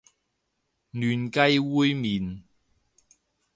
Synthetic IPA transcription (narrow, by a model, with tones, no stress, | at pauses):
nyː˨˩nkɐ˥jwuː˥jmiː˨˩n